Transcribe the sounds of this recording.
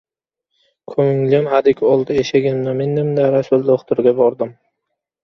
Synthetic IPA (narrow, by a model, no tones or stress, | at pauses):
kʰɵŋŋlɪmhad̪ɪkʲʰɒlˠd̪aeʃaɡʲɪmnamenːɪmd̪aɾasʊlˠd̪oχt̪ʊɾɡʲabɒɾd̪ɪm